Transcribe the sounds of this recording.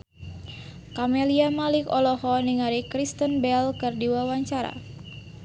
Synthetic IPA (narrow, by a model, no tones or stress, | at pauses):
kameliamalɪkɔlɔhɔniŋaɾikɾist̪ənbɛlkɨrdiwawaɲt͡ʃaɾa̰